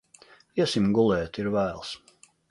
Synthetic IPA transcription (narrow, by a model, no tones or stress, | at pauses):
iɛsimɡulˠɛːt̪iɾvæːlˠs